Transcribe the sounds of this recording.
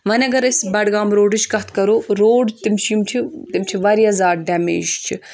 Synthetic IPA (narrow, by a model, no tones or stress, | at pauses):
mɐnɐɡɐɾɐsʲbɐɽɡaːmɾoːɖɨt͡ʃʰkɐt̪kɐɾoːɾoːɖt̪imt͡ʃʰimt͡ʃʰit̪imt͡ʃʰiʋɐɾjɐzaːɾɖɐmḛːʒt͡ʃʰi